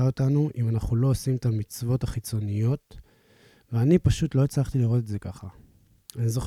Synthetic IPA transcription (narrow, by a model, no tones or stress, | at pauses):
aotanuʔimanaχulo̞osimet̪amit͡svo̞taχit͡so̞nijo̞t̪ | veanipaʃut̪lo̞et͡slaχt̪iliʁot̪etze̞kaχa | anizo̞χ